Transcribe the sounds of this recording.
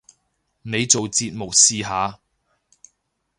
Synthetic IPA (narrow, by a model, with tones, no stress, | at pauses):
ne˨˧jt͡so˨wt͡siː˧t̚mo˨k̚siː˨˧ɦaː˨˧